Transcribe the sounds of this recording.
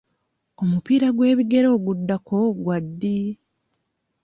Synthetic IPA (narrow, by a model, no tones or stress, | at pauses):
o̞mupiːɾaɡwe̞ːβiɡe̞ɾo̞ːɡudːako̞ɡwadːi